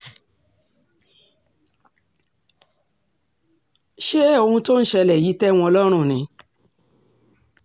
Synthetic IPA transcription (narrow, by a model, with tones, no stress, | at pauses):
ʃe˦o˧hũ˧to˦n̩˦ʃɛ˧lɛ˨ji˨˦tɛ˦w̃ɔ̃˧lɔ˦ɾ̃ũ˦˨nĩ˨˦